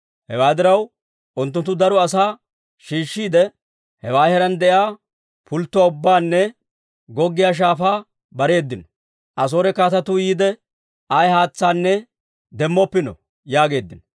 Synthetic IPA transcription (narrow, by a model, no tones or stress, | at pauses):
hɛwaːd̪ɪɾɐw | ʔʊnt̪ːʊnt̪ːʊd̪ɐɾɔɐsaː | ʃiːʃːiːd̪ɛ | hɛwaːhɛɾɐnd̪ɛjaː | pʊlt̪ːʊwaːʊbːaːnːɛ | ɡɔɡːɪjaːʃ̬aːfaː | bɐɾe̞ːd̪ːɪnɔ̥ | ʔɐs̬oːɾɛkaːt̪ɐt̪ʊjiːd̪ɛ | ɐjhaːt͡sːaːnːɛ | d̪ɛmːɔpːɪnɔ̰ | jaːɡe̞ːd̪ːɪnɔ